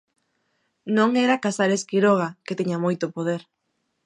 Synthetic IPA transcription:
nõŋeɾakasaɾeskiɾoɣ̞aket̪iɲamojt̪opoð̞eɾ

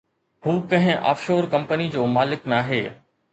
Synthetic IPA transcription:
huːkɐ̃ɦɪ̃ʔa̰ːfʃoːɾkɐ̃mpənid͡ʑoːmaːlɪknaːɦeː

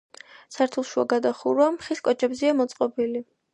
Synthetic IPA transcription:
saɾt̪ʰulˠʃua̰ɡad̪aχuɾwamχiskʼɔt͡ʃʰʼɛbziamɔt̪sʼqʼɔbili

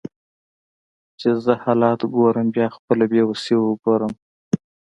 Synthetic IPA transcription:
t͡ʃezəhɑlɑt̪ɡoɾəmbjɑxpəlabjewəsewəɡoɾəm

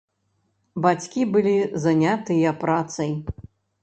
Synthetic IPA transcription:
bat͡sʲkʲibɨlʲizanʲat̪ɨjɐpɾat̪sɐj

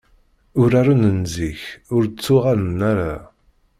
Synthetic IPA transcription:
ʊɾaɾanənziçʊɾt͡sːʊʁaɾənːaɾa

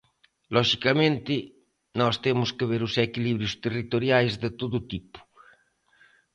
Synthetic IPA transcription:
lɔʃikamẽnt̪ɪ | nɔst̪emʊskeβeɾusɛkiliβɾjust̪erit̪oɾjajzd̪ɪt̪oðʊt̪ipu̥

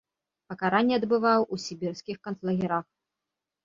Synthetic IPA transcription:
pɐkaɾanʲːɛɐd̪bɨvawusʲibʲirskʲixkɐnt̪lˠɐɣʲɛɾax

